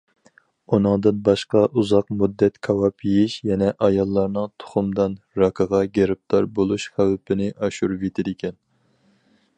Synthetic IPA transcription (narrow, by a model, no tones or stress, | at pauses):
unɨŋd̪ɨnbɑʃqɑʔuzɑqmud̪ːɛt̪kʰɑwɑpʰijiʃjɛnɛʔɑjɑlˠːɑɾnɨŋt̪ʰo̥χʊmd̪ɑn | ɾɑkʰəʁɑɡʲeɾɪp̚t̪ʰɑɾbolˠuʃχæwpʰɪnɪʔɑʃuɾvet̪ʰɪd̪ɪkʲɛn